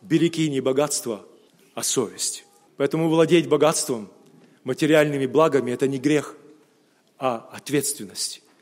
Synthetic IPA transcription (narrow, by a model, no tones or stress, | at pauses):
bʲɪlʲɪkʲinʲɪbɐɡat̪st̪və | ɐsovʲɪsʲtʲ | pɐɛt̪əmʊvlˠɐdʲetʲbɐɡat̪st̪vəmː | ətʲɪɾʲɪalʲnɨmʲɪblˠaɡəmʲɪɛt̪ənʲɪɡɾʲe̞x | ɐɐt̪vʲe̞t̪st̪vʲɪnːəsʲtʲ